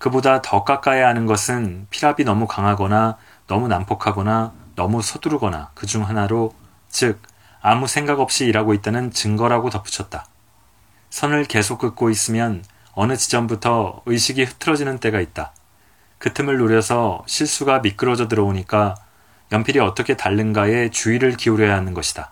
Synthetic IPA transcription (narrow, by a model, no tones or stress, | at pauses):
kɯbodatʌk͈ak͈ajeɦanɯnɡʌsʰɯnpʰiɾabinʌmukaŋɦaɡʌna | nʌmunampʰokʰaɡʌnanʌmusʰʌduɾɡʌna̰kɯd͡ʑuŋɦanaɾo | t͡ɕɯk̚ | amusʰe̞ŋɡaɡʌp̚ɕ͈iːɾaɡoit̚t͈anɯnt͡ɕɯŋɡʌɾaɡotʌp͈ʰu̥t͡ɕʰʌt̚t͈a | sʰʌnɯɭke̞sʰok̚k͈ɯk̚k͈ois͈ɯmjʌn | ʌnɯt͡ɕid͡ʑʌmbutʰʌɯjɕʰiɡiɸɯtʰɯɾʌd͡ʑinɯnt͈e̞ɡait̚t͈a | kɯtʰɯmɯɭːoɾjʌsʰʌɕʰiɭs͈uɡamik͈ɯɾʌd͡ʑʌdɯɾʌoɲik͈a | jʌmpʰiɾiʌt͈ʌkʰe̞taɭːɯnɡae̞t͡ɕuiɾɯɭkiuɾjʌjaɦanɯnɡʌɕʰi̥d̥a